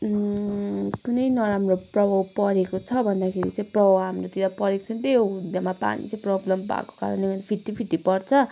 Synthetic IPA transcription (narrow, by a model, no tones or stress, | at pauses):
kunʌjnʌɾamroprʌbʱawpʌɾekot͡sʰʌbʱʌnd̪akʰeɾḭt͡sʌ̃j̃prʌbawɦamrot̪id̪apʌɾekt͡sʰʌ̃ñt̪eud̪jamapa̰nḭt͡sãj̃prʌblʌmbʱa̰ko̥ka̰ɾʌ̰nebʱʌnpʰiʈːipʰiʈːipʌrt͡sʰʌ